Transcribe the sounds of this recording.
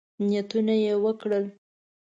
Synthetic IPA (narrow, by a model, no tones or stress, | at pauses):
nijat̪unajewəkɽəl